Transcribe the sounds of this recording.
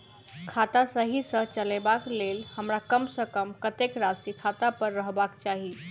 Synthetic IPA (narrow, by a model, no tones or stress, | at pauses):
kʰat̪asəɦisə̃t͡ʃəlebaklelhəmɾakəmsəkəmkət̪ekɾasikʰat̪apəɾːəɦbakt͡ʃaɦi